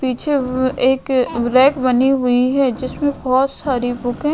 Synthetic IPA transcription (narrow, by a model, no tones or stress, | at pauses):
piːt͡ʃʰeeːkʋɾɛːkbɐniɦʊiɦɛd͡ʒɪsmẽbɔːt̪saːɾibʊkɛ̃ː